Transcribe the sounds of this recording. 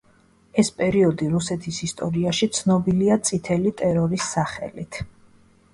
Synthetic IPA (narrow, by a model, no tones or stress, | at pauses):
ɛspʼɛɾiɔd̪iɾusɛt̪ʰisist̪ʼɔɾiaʃit̪sʰnɔbiliat̪sʼit̪ʰɛlit̪ʼɛɾɔɾisːaχɛ̰lit̪ʰ